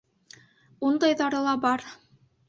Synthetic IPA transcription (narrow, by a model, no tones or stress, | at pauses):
und̪ɑjðɑɾɤ̆lˠɑbɑɾ